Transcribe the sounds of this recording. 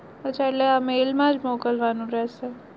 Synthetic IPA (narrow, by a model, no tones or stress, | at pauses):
ət͡ʃʰaeʈleamelmãd͡ʒmɔkəlʋanũɾɛɦʃe